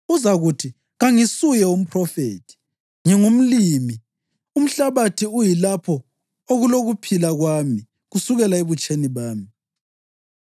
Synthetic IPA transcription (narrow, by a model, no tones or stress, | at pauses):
uzaɣutʰi | ɣaŋisujɛum̩pʰrɔfḛːtʰi̥ | ŋɛŋum̩liːmi | um̩ɬaβatʰiujilapʰɔ | oɣuloɣupʰilaɣwami | ɣusuɣɛlaeβut͡ʃʰʼeniβaːmi